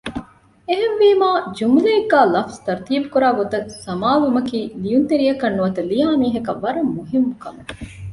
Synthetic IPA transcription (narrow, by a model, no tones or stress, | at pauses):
eɦenʋiːmaːd͡ʒumuleeɡːæːlɐfst̪ɐɾt̪iːbukuɾaːɡot̪ɐsɐmaːʋumɐkiːlijunt̪eɾijɐkɐnːuʋɐt̪ɐlijaːmiːɦɐkɐʋːɐɾɐmːuɦimːukɐme